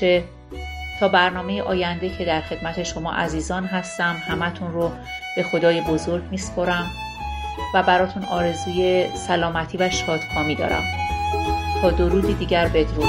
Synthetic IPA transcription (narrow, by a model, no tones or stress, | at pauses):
e | t̪ʰɒːbæɾnɒːme̞jeʔɒːjænd̪ecʰe̞d̪æɾxe̞d̪̥mæt̪ʰe̞ʃo̞mɒ̰ːʔæziːzɒːnɦæst̪æmhæmæt̪ʰunro | b̥e̞xo̞d̪ɒːje̞bo̞zoɾɟmiːspʰoɾæm | væbæɾɒːt̪ʰunɒːɾe̞zuːje̞sælɒːmæt̪ʰiːvæʃɒːd̪̥xʰɒːmid̪ɒ̰ɾæ̰m | t̪ʰɒːd̪oɾuːd̪id̪iːɟæɾbe̞d̪ɾu